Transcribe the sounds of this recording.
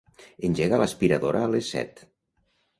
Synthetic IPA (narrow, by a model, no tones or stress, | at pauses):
enʲʒeɣalaspiɾaðoɾʔalesːɛ̰t̪